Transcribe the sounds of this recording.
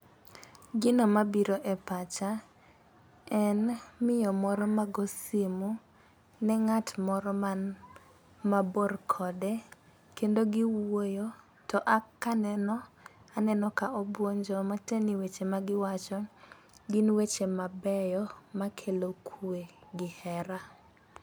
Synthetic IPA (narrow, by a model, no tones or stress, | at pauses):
ɡɪnomabiɾoʔɛpat͡ʃa | ɛnmɪjɔmɔɾɔmaɡɔsɪmu | nɛŋatmɔɾɔma | maborkʰɔdɛ | kendoɡiwojo | tɔʔakanɛnɔanɛnɔkaɔbwoɲd͡ʒɔmateniwet͡ʃemaɡɪwat͡ʃɔ | ɡinwet͡ʃemabɛjɔmakʰelokʰweɡɪhɛɾa